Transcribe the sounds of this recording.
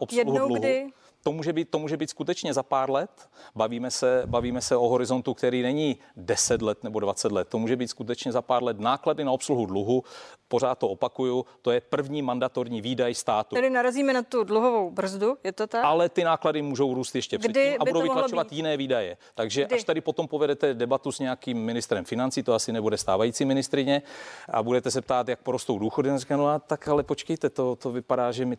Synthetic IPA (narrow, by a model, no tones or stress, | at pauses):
ʔopsɛluhnowluɦdɪ | t̪o̞muːʒɛbiːt̪̚t̪ːomuːʒɛbiːt̪skut̪ɛt͡ʃɲɛzapaːɾlɛt̪baviːmɛsɛbaviːmɛsɛʔoɦo̞ɾɪzo̞nt̪ukt̪ɛɾiːnɛɲiː | dɛsɛt̪lɛt̪nɛbo̞dvat͡sɛt̪lɛt̪ːo̞muːʒɛbiːt̪skut̪ɛt͡ʃɲɛzapaːɾlɛt̪naːkladɪnao̞psluɦudluɦupo̞ɾaːt̪ːoʔopakujut̪ojɛpr̩vɲiːmandat̪o̞ɾɲiːviːdajst̪aːt̪uɛlɪnaɾaziːmɛnat̪udluɦovowbr̩zdujɛt̪ot̪aalɛt̪ɪnaːkladɪmuːʒo̞wɾuːst̪jɛʃcɛpr̥ɛdɪabudowvɪklat͡ʃovajɪnɛːviːdajɛt̪aɡʒɛʔaʃt̪adɪpo̞t̪o̞mpovɛdɛt̪ɛdɛbat̪usɲɛakiːmːɪnɪst̪ɾɛmfɪnant͡siːt̪oasɪnɛbudɛst̪aːvajiːt͡simɪnɪst̪ɾɪɲɛʔa̰budɛt̪ɛs̬ɛp̚t̪aːt̪jak̚poɾost̪o̞wduːxo̞dɪarikanoat̪akalɛpot͡ʃkɛjt̪ɛt̪o̞t̪ovɪpadaːʒɛmɪ